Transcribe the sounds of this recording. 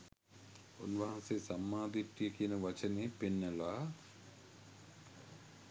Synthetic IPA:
onʋaɦɐnseːsɐmːaːd̪iʈːijekiːnɐʋɐt͡ʃɐneːpenːɐlaː

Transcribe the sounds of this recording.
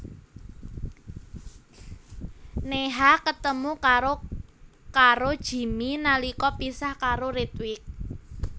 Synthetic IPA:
neɦakət̪əmukaɾo | kaɾod̥ʒ̥i̤minalikɔpisahkaɾoɾit̪wɪk̚

